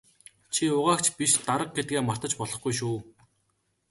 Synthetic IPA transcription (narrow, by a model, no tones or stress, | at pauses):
t͡ɕʰiʊʁaːkt͡ɕpiʃt̪aɾə̆q̚ɡet̪̚ɡeːmar̥t̪ə̆t͡ɕpɔɮɞ̆χɡujʃ̬uː